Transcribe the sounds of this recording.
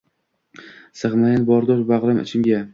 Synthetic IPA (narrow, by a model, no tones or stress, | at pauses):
sɨχmajanbɒɾd̪ɒʃbaʁlamɪ̰t͡ʃʰɪmɡʲa